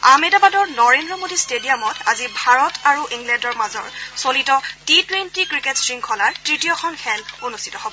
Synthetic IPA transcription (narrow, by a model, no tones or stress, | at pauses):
amedɔbadɔɹnɔɹendɹɔmodistedijamɔtazibʱaɹɔtʰaɹuʔiŋɡlɛndɔɹmazɔ̰ɹsolitɔtitwentikɹiketsɹiŋkʰɔlaɹtɹitijɔkʰɔnxʰɛlonustʰi̥tɔɦobɔ